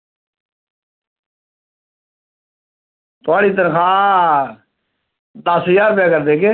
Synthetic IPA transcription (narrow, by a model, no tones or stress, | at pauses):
t̪ʊaːɽiːt̪ənkʰaː | t̪aːsjaːɾpɪjaːkəɾd̪eːkeː